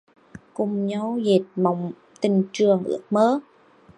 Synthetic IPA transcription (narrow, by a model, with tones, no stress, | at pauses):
kʊ˨˩ŋ͡mɲə˧˦wze˨˩t̚ma˨˩wŋ͡m | t̪ï˨˩ŋ̟t͡ɕɨ˨˩əŋʔɨ̰˧˥ək̚məː˨˦